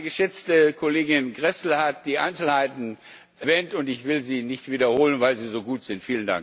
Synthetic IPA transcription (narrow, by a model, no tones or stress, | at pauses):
ɡəʃɛt͡stəkʰoleːɡɪnɡʁɛsl̩hat̚d̥iːʔa̰ɪnt͡sl̩haɪtn̩ | vɛːntʊntɪçv̥ɪlziːnɪçtv̥iːdɐhoːlənvaɪlziːzoːɡuːtz̥ɪntfiːlənda̰ŋk